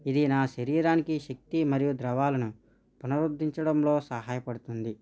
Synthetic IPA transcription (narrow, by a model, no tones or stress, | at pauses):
id̪inaːʃɐɾiːɾaːnikiʃɐk̚t̪imɐɾijud̪ɾɐʋaːlɐnu | punɐɾud̪ʱːiɲt͡ʃɐɽɐmlo̞ːsɐɦaːjɐpɐɽut̪und̪i